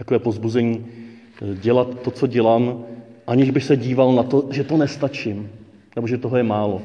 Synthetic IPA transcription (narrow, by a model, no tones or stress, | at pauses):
t̪akovɛːpo̞vzbuzɛɲiː | ɟɛlat̪ːo̞t͡so̞ɟɛlaːmʔaɲɪʒbɪxsɛɟiːvalnat̪o̞ʒɛt̪o̞nɛst̪at͡ʃɪm | nɛboʒɛt̪oɦojɛmaːlo̞